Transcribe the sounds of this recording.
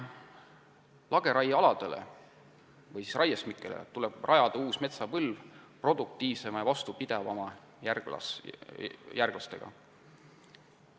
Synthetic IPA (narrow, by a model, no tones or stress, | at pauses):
lɑɡ̥e̞ɾɑjɑlɑd̪̥e̞lḛ | vɤjsisrʔɑjesmikːˑelḛt̪uleb̥rʔɑjɑd̪̥ɑuːsme̞t̪sɑvɤlvpro̞d̪̥uk̚t̪iːvse̞mɑjɑvɑst̪upid̪̥evɑmɑ | jærɡlɑ̰ | jærɡ̥lɑst̪e̞ɡ̥ɑ̰